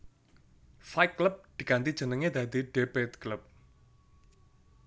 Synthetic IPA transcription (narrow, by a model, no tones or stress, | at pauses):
fajk̚kləp̚d̪̥i̤kant̪id̥ʒ̥ə̤nəŋed̪a̤d̪iɖ̥ebet̪̚klʊp̚